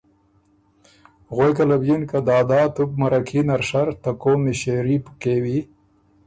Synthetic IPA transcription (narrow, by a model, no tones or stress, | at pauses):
ɣojkalabjinkad̪ɑːd̪ɑːt̪up̚maɾakʰinaɾʂaɾt̪akomiɕeɾipkewi